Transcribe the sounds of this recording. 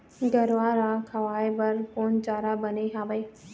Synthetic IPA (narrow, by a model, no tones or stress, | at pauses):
ɡɐɾʋaːɾakʰɐʋaːebɐɾkoːnt͡ɕaːɾabɐneɦaːbɐeː